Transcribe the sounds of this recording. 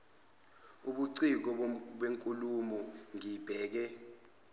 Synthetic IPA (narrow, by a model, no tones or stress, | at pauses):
uɓuǀik̬ɔɓweŋkʼulumɔŋib̥ʱɛːk̬ɛ